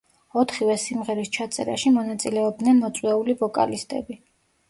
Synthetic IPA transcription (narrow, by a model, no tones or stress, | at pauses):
ɔt̪ʰχivɛsimʁɛɾist͡ʃʰat̪sʼɛ̰ɾa̰ʃimɔnat̪sʼilɛɔb̚d̪nɛnmɔt̪sʼwɛulivɔkʼa̰list̪ʼɛ̰bi